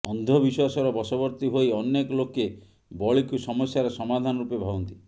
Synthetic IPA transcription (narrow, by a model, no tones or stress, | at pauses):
ɔnd̪ʱɔbiswasɔɾɔbɔsɔbɔɾt̪iɦojɔnːekɔloke | bɔɭikusɔmɔsjaɾɔsɔmad̪ʱanɔɾupebʱabɔnt̪i